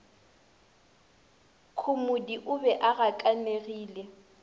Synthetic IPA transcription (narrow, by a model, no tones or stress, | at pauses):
kʰʊmʊdiʔʊbɛʔaɣakʼaneɣiːlɛ